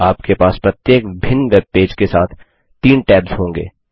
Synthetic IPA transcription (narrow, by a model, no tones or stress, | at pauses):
aːp̚kepaːspɾɐt̪jeːkbʱɪnːʋeːb̚peːd͡ʒkesaːt̪ʰ | t̪iːnʈɛːbz̥ɦõːŋɡḛː